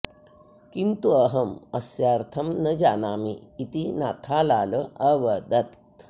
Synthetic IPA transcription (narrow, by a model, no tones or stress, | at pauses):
kint̪uɐɦɐmɐsjaːɾt̪ʰɐmnɐd͡ʒaːnaːmḭːt̪inaːt̪ʰaːlaːləɐʋɐd̪ɐt̪̚